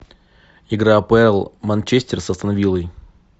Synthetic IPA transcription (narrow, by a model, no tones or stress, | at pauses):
ɪɡɾapəɛlˠmɐnʲt͡ɕesʲtʲɪrsəst̪ənɐvʲilˠəj